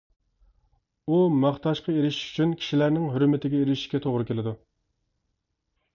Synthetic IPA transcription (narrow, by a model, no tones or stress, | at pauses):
umɑχt̪ɑʃqʰɑeɾɪʃi̥ʃy̥t͡ʃʰynkʲʰi̥ʃilæɾnɪŋɦyɾmɪt̪ʰɪɡʲɛeɾɪʃi̥ʃkʲɛt̪ʰoʁɾʊkʲelɪd̪u